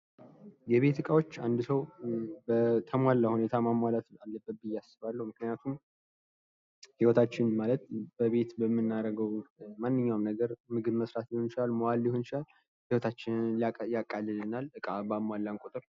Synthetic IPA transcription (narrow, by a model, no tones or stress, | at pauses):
jɛβe̞t̪ʰɨkʼawo̞t͡ʃːand̪ɨsəwbət̪ʰəmwalːahune̞t̪ʰamamwalat̪alːəbːəbːɨjːasɨβalːəhumɨknijat̪ʰum | hiwɔt̪ʰat͡ʃːɪnmalət̪b̥əβe̞t̪bəmːɨnːaɾəɡəwmanːɨɲːawmnəɡəɾmɨɡɨβməsɾat̪jɪhont͡ʃɪlalmoalːɪhont͡ʃɪlal | hiwɔt̪ʰat͡ʃːɪnliajakʼːalːɨlɨnalɨkʼabamwalːankʼut̪ʼɨɾ